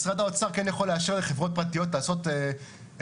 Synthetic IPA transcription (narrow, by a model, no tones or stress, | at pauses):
sʁad̪aot͡saʁkɛnjaχo̞leaʃeʁleχe̞vʁo̞t̚pʁatijo̞t̬laːso̞te